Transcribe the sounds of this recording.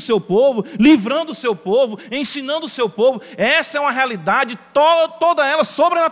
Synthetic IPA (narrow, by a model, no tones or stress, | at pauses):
sewpovʊlivɾɐ̃nd̪ʊʊsewpovʊẽsĩnɐ̃nd̪ʊsewpovʊɛsɐɛũmɐɦealid̪ad͡ʒɪt̪ot̪od̪ɐɛlɐsobɾena